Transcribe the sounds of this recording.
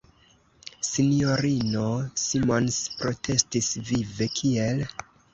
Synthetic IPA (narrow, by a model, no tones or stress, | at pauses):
sinio̞ɾino̞simo̞nspɾo̞tʰe̞stisvive̞kʰie̞l